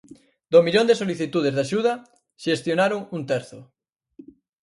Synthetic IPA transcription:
d̪omiʎond̪esoliθit̪uð̞ezðaʃuð̞a | ʃest̪jonaɾoŋunt̪ɛɾθo̰

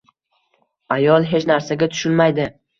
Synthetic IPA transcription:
ajɒlˠɦe̞t͡ʃnaɾsaɡʲat̪ʰʊ̥ʃʊnmajd̪ɪ

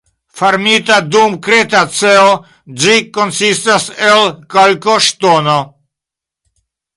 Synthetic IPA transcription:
faɾmit̪ad̪umkɾet̪at͡seo | d͡ʒikonsistaselkalkoʃt̪ono

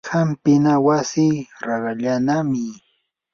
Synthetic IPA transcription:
hampɪnawasiɾɑɾɑʎanamɪ

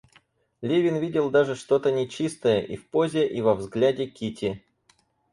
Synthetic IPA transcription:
lʲevʲɪnvʲidʲɪlˠd̪aʐɨʂt̪o̞t̪ənʲɪt͡ɕist̪əjəʔifpo̞zʲɪʔivɐvzɡlʲædʲɪkʲitʲɪ

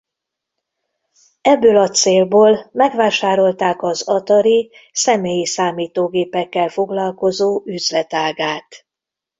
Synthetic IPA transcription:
ɛbːøːlɒt̪seːlboːlmɛɡʋaːʃaːɾo̞lt̪aːkɒzɒt̪ɒɾi | sɛmeːjisaːmiːt̪oːɡeːpɛkːɛlfo̞ɡlɒlko̞zoːʔyzlɛt̪aːɡaːt̪

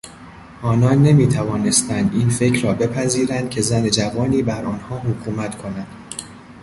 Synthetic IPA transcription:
ʔɒːnɒːnːe̞miːt̪ʰævɒːne̞st̪ænd̪iːnfe̞cʰɾɒːbe̞pʰæziːɾænd̪̥̚cʲʰe̞zæne̞d͡ʒævɒːniːbæɾɒːnhɒːɦokʰuːmæt̪kʰo̞nænd̪̥

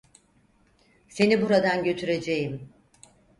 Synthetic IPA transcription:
se̞nibuɾad̪anɟø̞t̪ʰyɾe̞d͡ʒe̞jim

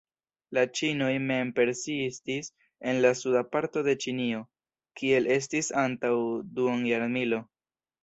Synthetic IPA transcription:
lat͡ʃino̞jme̞mpe̞ɾsistis | e̞nlasudapaɾto̞de̞t͡ʃinio̞ | kʰie̞le̞s̬tisantawduonjaɾmilo̞

